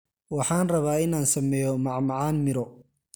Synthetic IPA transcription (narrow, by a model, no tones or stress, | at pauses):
wɑħɑːnrɐβaːɪnaːnsɐmɛːjɔmɑʕmɑʕɑːnmɪɾɔ